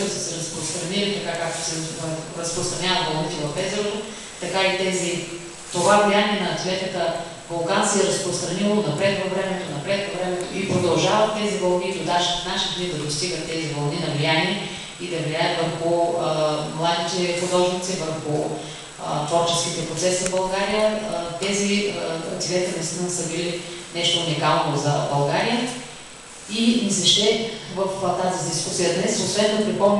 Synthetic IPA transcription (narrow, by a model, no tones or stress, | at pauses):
osə̥sɛɾɐspɾost̪ɾɐnilit̪ɐkakak̚t̪o̥sɛɾɐspɾost̪ɾɐnʲavət̪bɐlˠnit̪ɛvɐfɛt̪ɾot̪o | t̪ɐkait̪ɛzi | t̪ovavlijanʲiɛnɐːt̪lɛt̪ət̪ə | vɐlˠkansɛːɾəspɾost̪ɾɐnilˠonɐpɾɛt̪vɐvɾɛmɛt̪onɐpɾɛt̪vɐvɾɛmɛt̪oʔipɾod̪ɐlˠʒavɐt̪ːɛzibɐlˠnid̪ʊd̪aʃfnaʃid̪nid̪ɐd̪ost̪iɡət̪ːɛzibɐlˠninɐvlijaniɛ | id̪ɐvlʲijaət̪vəɾxʊəmlˠad̪it̪ɛxʊd̪ɔʒnit̪sivəɾxʊ | t̪vɔɾt͡ʃɛskit̪ɛpɾot̪sɛszɐbɐlˠɡaɾijət̪ɛziəɐ̰kt̪ivʲit̪ɛt̪ɛnɐist̪inəsəbilinɛʃt̪oːnikalˠnozɐbɐlˠɡaɾijə | imisɛʃt̪ɛvəft̪azid̪iskusijəd̪nɛsosvɛnnːopɾipɔm